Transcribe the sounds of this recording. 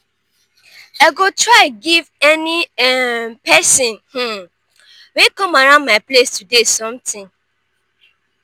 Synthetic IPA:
aɡotɹaɪɡivɛniɛpɛsɔ̃nh̩ | wekɔ̃maɾãʊ̃ndmaɪplestudesɔ̃mtĩŋ

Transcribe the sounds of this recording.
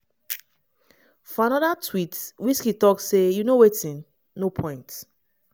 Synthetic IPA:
fɔãnɔdatʰwitwit͡ʃkitɔksejunowetĩnː | opʰɔ̃ɪ̃nt

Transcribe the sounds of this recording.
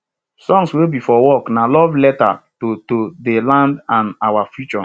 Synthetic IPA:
sɔ̃ŋswebifɔwɔknalɔvlɛta̰totodelãndãnawafjut͡ʃɔ

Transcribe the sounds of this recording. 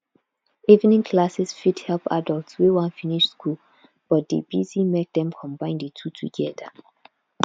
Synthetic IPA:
ivnĩnkʰlasɛsfidhɛlpa̰dəltswiwãnfiniʃskʰul | b̥ɔt̚dḛbizimek̚dɛ̃mkʰɔ̃mbãɪ̃ndətʰutʰṵɡɛðə

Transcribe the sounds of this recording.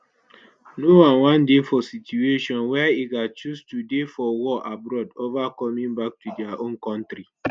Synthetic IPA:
nowãnwãndefɔsitjueʃɔ̃nwɛiɡat͡ʃustudefɔwɔʔabɾɔdovakɔmĩŋbak̚tudɪaʔõnkɔ̃ntɾi

